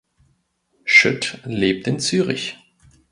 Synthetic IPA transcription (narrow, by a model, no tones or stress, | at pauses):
ʃʏtleːp̚tɪnt͡syːʁɪ̰ç